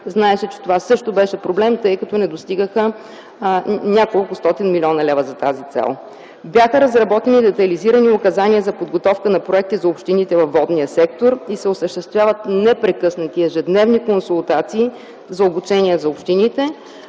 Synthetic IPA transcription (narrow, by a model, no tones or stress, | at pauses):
znaɛʃɛt͡ʃɛ̥t̪ovasɤʃt̪obɛʃɛpɾoblɛmt̪ɤjkɐt̪ɔnɛd̪ost̪iɡəxə | nʲakolˠkʊst̪ɔt̪inmilʲiɔnɐlɛvəzɐt̪azit̪sɛ̰lˠ | bjaxəɾɐzɾɐbɔt̪ɛnid̪ɛt̪ɐliziɾəniʊkɐzaniəzɐpod̪ɡot̪ɔfkənɐpɾoɛk̚t̪izɐopʃt̪init̪ɛvɐfːɔd̪nijəsɛk̚t̪oɾisɛʊsəʃt̪ɛst̪vʲjavət̪nɛpɾɛkɤsnət̪iɛʒɛd̪nɛvnikonsulˠt̪at̪siː | zɐobut͡ʃɛniɛzɐopʃt̪init̪ɛ